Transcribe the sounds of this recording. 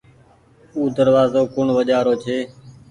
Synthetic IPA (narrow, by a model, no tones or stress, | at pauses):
uːd̪əɾʋaːzoːkʊɳʋəʄaːɾoːt͡ʃʰeː